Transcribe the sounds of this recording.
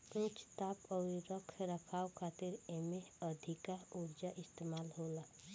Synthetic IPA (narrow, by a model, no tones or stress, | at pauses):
ɾõt͡ʃt̪aːpɔːɾɾəkʰɾəkʰaːwkʰaːt̪ɪɾemeəd̪ʱɪkauɾd͡ʒaʔɪst̪eːmaːlɦoːla